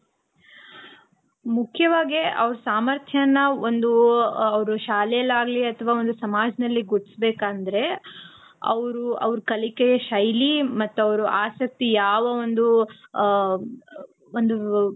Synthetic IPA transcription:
mukʰjɐʋaːɡeʔɐʋɾusaːmɐɾt̪ʰjɐɐnːɐo̞nd̪uɐʋɐɾuʃaːlɛjɐlːaːɡliɐt̪ʰɐʋaːo̞nd̪usɐmaːd͡ʒɐnɐlːiɡoɽsbeːkaːnd̪ɐɾe̞ | ɐ̰ʋɾuɐ̰ʋɐɾukɐlikɛjɐʃɐjlimɐt̪ːuɐʋɐɾuʔaːsɐk̚t̪ijaːʋɐo̞nd̪u | ond̪u

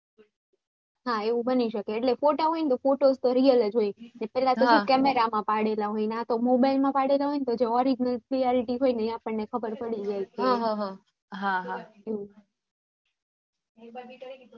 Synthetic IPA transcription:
ɦaeũbəniʃəkeːʈlefoʈoɦoint̪ofoʈozt̪oɾiəld͡ʒɦojnepɛlat̪okʰukɛmeɾamãpaɽelaɦojnat̪omobajlmãpaɽelaɦojnt̪od͡ʒeɔɾid͡ʒnəlpɾijɔɾiʈiɦojnəiapəɳːekʰəbəɾpəɽid͡ʒajt͡ʃʰeɦɦ | ɦãɦaeũ

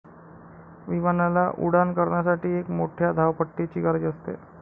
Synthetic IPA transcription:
ʋiʋanalaʔṵɽankəɾɳjasaʈiːekmoʈʰjad̪ʱaʋpəʈːet͡ɕiːɡaɾd͡ʑəst̪ḛ

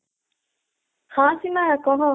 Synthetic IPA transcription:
haːsimaːɐkoɦõ

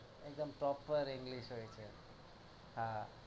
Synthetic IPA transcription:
ek̚d̪əmpɾɔpəɾĩŋɡliʃɦojt͡ʃʰe | hã

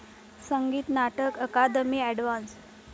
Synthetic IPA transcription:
səŋɡiːt̪naʈəkəkad̪əmiːɛɖʋãns

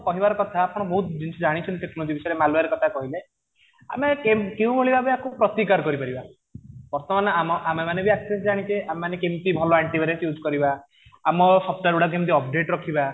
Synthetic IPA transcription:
kɔɦibaɾɔkɔt̪ʰaːkʰɔɽ̃ɔboɦut̪d͡ʒint͡ʃʰud͡ʒaɽ̃it͡ʃʰɔnt̪it̪eknolod͡ʒibisɔjɾemaluaɾekɔt̪ʰakɔɦile | a̰mekemkew̃bʱoɭibabeakupɾɔt̪ikaɾkɔɾipaɾiba | bɔɾt̪ɔmanɔamɔʔamemanebiaksesd͡ʒaɽ̃it͡ʃeʔamemanekemt̪ibʱɔloaɳʈibʱaɾensjud͡ʒkɔɾibaː | mɔsɔp̚ʈaɾuɽak̬emt̪̬iɔp̚ɖeʈɾɔkʰiba

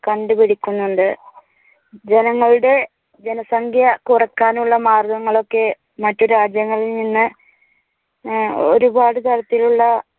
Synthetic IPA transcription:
kɐɳɖɨpiɽikʲːunːuɳɖɨ | d͡ʑe̞nɐŋːɐɭuɽe̞ | d͡ʑenɐsɐŋɡʱjɐkurɐkːaːnuɭːɐmaːrɡɐŋːɐɭo̞kːe̞ | mɐtːo̞ɾuaːd͡ʑjɐŋːɐɭilninːɨ | o̰ɾubaːɽɨt̪ɐɽɐt̪ːiluɭːɐ

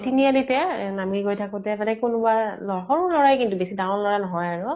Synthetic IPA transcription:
tinialitɛnamiɡojtʰakɔtɛtanɛkunʊbalɔxɔɹulɔɹajkintubesidãw̃lɔɹanɔɦɔjaɹʊ

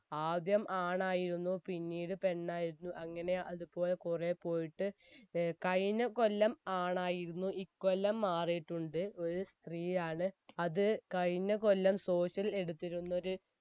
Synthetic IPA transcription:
aːd̪jɐmʔaːɳaːjiɾunːupinːiːɽɨpe̞ɳːaːjiɾunːuʔɐŋːɐne̞ʔɐðupo̞ːlekurepːo̞ːjiʈːɨ | kɐjnɐko̞lːɐmaːɳaːjiɾunːuʔikːolːɐmːaːrijʈːuɳɖɨo̞ɾust̪riːjaːɳɨɐðɨkɐjnɐko̞lːɐmso̞ːɕɐle̞ɽut̪ːiɾunːo̞ɾu

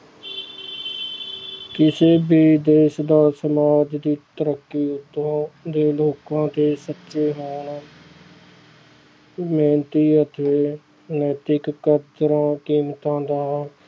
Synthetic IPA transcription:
kɪseːbiːd̪eːʃd̪aːsəmaːd͡ʒd̪iːt̪əɾəkːiːʊt̪ːõːd̪eːloːkãːt̪eːsətːʃeːɦoːɳ | meːnt̪iːət̪ʰeː | nɛːt̪ɪkkːəd̪ɾãːkiːmt̪ãːd̪aː

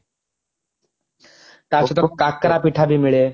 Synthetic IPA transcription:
t̪at͡ʃut̪okːakːɾapiʈʰabʱimiɭe

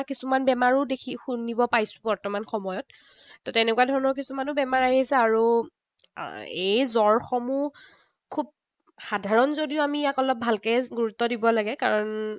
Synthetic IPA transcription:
kisumanbɛmaɹudekʰixunːibɔpajsʊ̥bɔɹtɔmanxɔmɔjɔtː | ɔtɛnɛkuwadʱɔɹɔnɔɹkisumanʊbɛmaɹajisɛaɹu | ejzɔɹxɔmu | kʰub̚ | xadʱaɹɔnzodiʊamijakɔlɔp̚bʱalkɛɡuɹutːɔdibɔlaɡɛkaɹɔn

